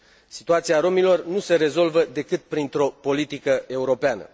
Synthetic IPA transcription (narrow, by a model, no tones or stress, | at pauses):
si̥t̪uat̪siaɾo̞milo̞rnuse̞ɾe̞zo̞lvəd̪e̞kɨt̪̚pɾint̪ɾo̞po̞lit̪ikəe̞uɾo̞peanə̰